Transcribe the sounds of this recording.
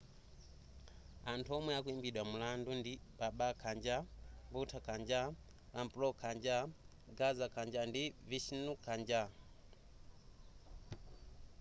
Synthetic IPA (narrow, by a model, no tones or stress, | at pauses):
antʰuɔmwɛakuimbiɗwamulandundipaɓakʰand͡ʒaβutʰakʰand͡ʒa | lampɾɔkʰand͡ʒa | ɡazakʰand͡ʒandiviʃinukʰand͡ʒa